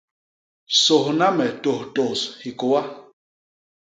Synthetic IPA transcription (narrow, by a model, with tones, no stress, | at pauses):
so˨hna˦mɛ˨to˨hto˨shi˨ko˨wa˦